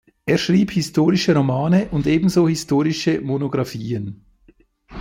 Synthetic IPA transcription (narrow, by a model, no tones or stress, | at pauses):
ʔeːɐʃʁiːbhɪstʰoːʁɪʃəʁomaːnəʔʊndeːbn̩zoːhɪstʰoːʁɪʃəmonoɡʁɑfiːən